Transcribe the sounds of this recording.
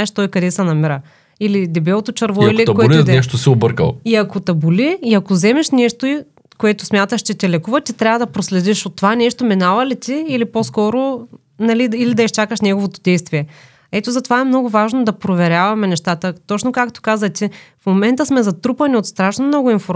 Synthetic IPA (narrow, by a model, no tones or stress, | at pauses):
ɛʃt̪ɔjkɐd̪ɛsɛnɐmiɾə | ilid̪ɛbɛlˠot̪ot͡ʃɐɾvɔilit̪ɐkoɛlnɛʃt̪osɛobəɾkə̰lˠiɐkot̪ɐbuliːɐkozɛmɛʃnɛʃt̪oi | koɛt̪ʊsmʲjat̪əʃt͡ʃɛt̪ʲɛlɛkuvɐt̪it̪ɾʲavɐd̪ɐpɾoslɛd̪iʃot̪ːovanɛʃt̪ominalˠɐlit̪ʲiːliposkɔɾo | nɐliːlid̪ɐist͡ʃakəʃnʲɛɡovot̪od̪ɛjst̪viɛ | ɛt̪ozɐt̪ovaɛmnɔɡʊvaʒnod̪ɐpɾovɛɾʲjavɐmɛnɛʃt̪at̪ət̪ɔt͡ʃnokakt̪o̥kazvɐt̪ʲifmomɛnt̪əsmɛzɐt̪ɾupɐnʲiot̪st̪ɾaʃnomnɔɡʊinfoɾ